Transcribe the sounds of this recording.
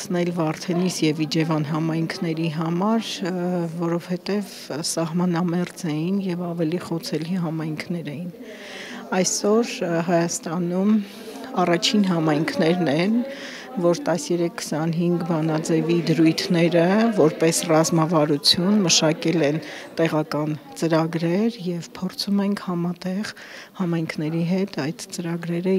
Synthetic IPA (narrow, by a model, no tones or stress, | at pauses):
nɛlvɑɾt̪ʰɛnisjɛvid͡ʒɛvɑnɦɑmɑjŋkʰnɛɾiɦɑmɑɾ | vɔɾɔvhɛt̪ɛv | sɑɦmɑnɑmɛrd͡zɛjinjɛvɑvɛliχɔt͡sʰɛliɦɑmɑjŋkʰnɛɾɛjin | ɑjsɔɾɦɑjɑst̪ɑnum | ɑrɑt͡ʃʰinɦɑmɑjŋkʰnɛɾnɛn | vɔɾt̪ɑsjɛɾɛkʰːə̥sɑnɦiŋɡbɑnɑd͡zɛvid̪əɾujt̪ʰnɛɾəvɔɾpɛsrɑzmɑvɑɾut͡sʰjunməʃɑkɛlɛnt̪ɛʁɑkɑnt͡səɾɑɡɾɛɾjɛvpʰɔrt͡sʰumɛŋkʰhɑmɑt̪ɛʁ | hɑmɑjŋkʰnɛɾiɦɛt̪ɑjd̪̥t͡səɾɑɡɾɛɾə